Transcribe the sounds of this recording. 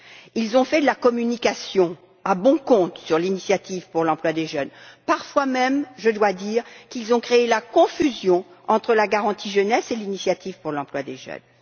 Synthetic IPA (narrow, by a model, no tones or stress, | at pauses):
ilzɔ̃fɛd̪əlakɔmynikasjɔ̃ | abɔ̃kɔ̃t̪syʁlinisjat̪ivpuʁlɑ̃plwad̪eʒœnpaʁfwamɛmʒəd̪wad̪iʁkilzɔ̃kχeelakɔ̃fyzjɔ̃ | ɑ̃t̪χəlaɡaʁɑ̃t̪ʰiʒənɛselinisjat̪ivpuʁlɑ̃plwad̪eʒœ̰n